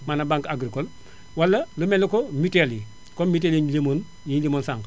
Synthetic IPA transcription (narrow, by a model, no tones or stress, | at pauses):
manabaŋkaɡɾikol | walːɐlumelokomiteli | kommit̬eliɲlimon | jiɲlimonsaŋk